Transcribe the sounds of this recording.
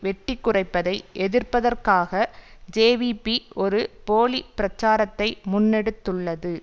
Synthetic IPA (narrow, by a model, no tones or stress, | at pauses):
ʋɛʈːɪkːɯrɐɪpːɐðɐɪʔɛðɪrpɐðɐrkaːɣɐd͡ʒeːʋipiɔɾɯpoːɭipɪɾɐt͡ʃːaːɾɐt̪ːɐɪmʊnːɛɽɯt̪ːɯɭːɐðɯ